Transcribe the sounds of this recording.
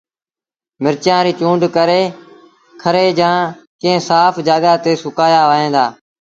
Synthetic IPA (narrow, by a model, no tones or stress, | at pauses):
mɪɾt͡ʃjãːɾiːt͡ʃũːɳɖkəɾeː | kʰəɾeːd͡ʒãːkɪ̃ːẽsaːfʰd͡ʒaːɠaːt̪eːsʊkaːjaːʋaːɦẽːnd̪aː